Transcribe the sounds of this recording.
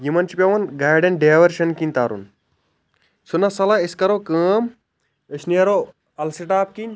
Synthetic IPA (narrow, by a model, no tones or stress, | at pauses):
jimɐnt͡ʃipʲɐʋɐnɡaːjɖɐnɖeːʋɐɾʃɐnkinʲt̪aːɾṵn | sunɐsɐlaiskɐɾokəːm | ɨsniɐɾo | ɐlsiʈaːp̚kinʲ